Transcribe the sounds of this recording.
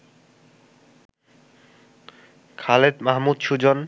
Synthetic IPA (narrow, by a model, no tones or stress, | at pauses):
kʰalet̪maɦmud̪ʃud͡ʑon